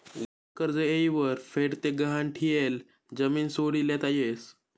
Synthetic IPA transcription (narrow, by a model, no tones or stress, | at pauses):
wə | kəɾd͡zəejiʋəɾfeɽt̪eɡəɦanʈʰijel | d͡zəmiːnsoɽiːlɛt̪ajes